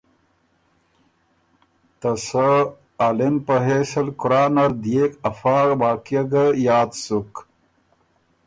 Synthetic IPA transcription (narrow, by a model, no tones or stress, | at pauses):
t̪ɐsɐː | lenpəɦeːsɐlkuɾaːnɐɾd̪ijekɐfaːbaːkijɐɡɐjaːd̪suk